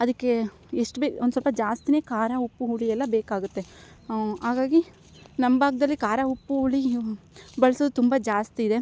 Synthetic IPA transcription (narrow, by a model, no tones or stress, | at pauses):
ɐd̪ɐkːe̞ | eʂʈbeond̪usɔlpɐd͡ʒaːst̪ine̞ːkaːɾaupːuɦuɭiɛlːɐbeːkaːɡut̪ːe̞ | ɦaːɡaːɡi | nɐmːbaːɡd̪ɐlːikaːɾaupːuɦuɭi | bɐɭɐsoːd̪ut̪umbɐd͡ʒaːst̪iːd̪e̞